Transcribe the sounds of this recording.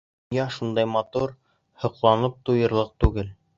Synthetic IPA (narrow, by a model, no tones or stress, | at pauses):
jɑʃund̪ɑjmɑt̪uɾ | hŏqlˠɑnɤp̚t̪ujɤ̆ɾlˠɤq̚t̪ʉɡɘl